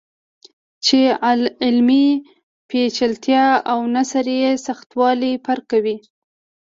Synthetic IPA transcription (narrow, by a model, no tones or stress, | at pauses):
t͡ʃealɪlmi | pet͡ʃalt̪jɑawnasaɾjesaxt̪wɑlipaɾkawi